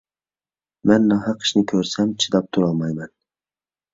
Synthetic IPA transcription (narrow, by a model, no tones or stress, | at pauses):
mɛnːɑɦɑqʰɨ̥ʃnɪkʲʰøɾsɛmt͡ʃʰid̪ɑp̚t̪ʰuɾɑlˠmɑjmɛn